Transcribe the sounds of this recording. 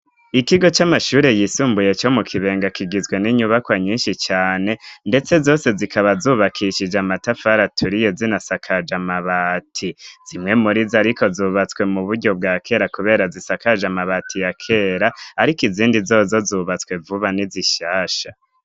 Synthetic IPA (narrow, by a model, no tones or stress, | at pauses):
ikiɡo̞t͡ʃamaʃuːɾe̞jisuːmbuje̞t͡ʃo̞mukʰiβe̞ːŋɡakiɡizɡwe̞niɲuβakwaɲiːnʃit͡ʃaːne̞nde̞t͡se̞zo̞ːse̞zikʰaβazuːβakʰiʃid͡ʒamatafaɾatʰuɾije̞zinasakʰad͡ʒamaβatʰiz̥imŋe̞muɾizaɾikʰo̞zuːβat͡skwe̞muβudɟo̞b̚ɡaːkʰe̞ɾakuβe̞ːɾazisakad͡ʒamaβatʰijakʰe̞ɾaːɾikiziːndizo̞ːzo̞zuːβat͡skwe̞vuβaniziʃaːʃa